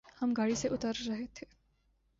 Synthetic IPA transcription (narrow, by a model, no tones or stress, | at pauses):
hɐmɡaːɽiseʔʊt̪əɾːɐɦet̪ʰeː